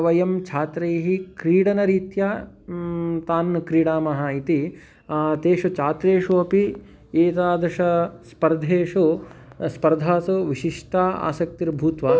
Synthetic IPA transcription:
ʋɐjɐmt͡ʃʰaːt̪ɾeːɦikɾiːɽɐnɐɾiːt̪jɐ | t̪aːnkɾiːɽaːmɐɦɐit̪i | t̪eːʂɐt͡ʃaːt̪ɾeːʂuɐpi | eːt̪aːd̪ɐʃɐspɐɾd̪ʱeːʂuspɐɾd̪ʱaːsuʋiʃiʂʈaːa̰ːsɐk̚t̪iɾbʱuːt̪ʋɐ

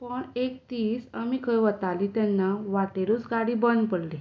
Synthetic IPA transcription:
pəɳek̚t̪iːsamikʰəjʋət̪alit̪ɛnːaʋat̪eɾut͡sɡaɽibənd̪pəɽli

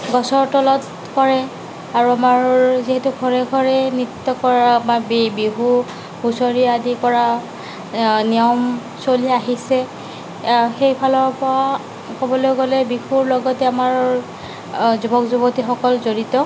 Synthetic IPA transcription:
ɡɔsɔɹtɔlɔt | kɔɹɛ | aɹuamaɹɔziɦɛtuɡʰʱɔɹɛɡʰʱɔɹɛnitːɔkɔɹamabbiɦu | ɡʱusoɹiadikɔɹa | nijɔm | soliaɦisɛ | xejpʰalɔɹpɔa | kobɔlojɡɔlɛbixuɹlɔɡɔtɛamaɹ | zubɔkzubɔtixɔkɔlzoɹitɔ

